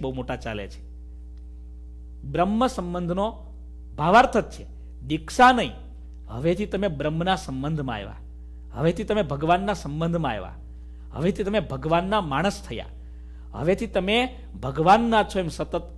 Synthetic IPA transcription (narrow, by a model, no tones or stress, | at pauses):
bəɦumoʈat͡ʃa̰lḛt͡ʃʰe̥ | bɾəmːəsə̃mbənd̪ʱno | bʱaʋaɾt̪ʰət̪̚t͡ʃʰe | d̪ikʃanəɦḭ̃ | ɦə̰ʋet̪ʰit̪əmebɾəmːnasəmbənd̪ʱmã̰ːjʋa̰ | ɦə̰ʋet̪ʰit̪əmebʱəɡʋanːasəmbənd̪ʱmãaeʋa̰ | ɦə̰ʋet̪ʰit̪əmebʱəɡʋanːamaɽ̃əst̪ʰəja̰ | ɦə̰ʋet̪ʰit̪əme | bʱəɡʋanːat͡ʃʰoemsət̪ət̪